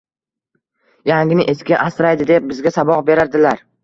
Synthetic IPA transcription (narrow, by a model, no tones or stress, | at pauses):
jaŋɡʲɪnɪʔe̞skʲaʔasɾajd̪ɪd̪e̞p̚bɪzɡʲasabɒqbe̞ɾaɾd̪ɪlaɾ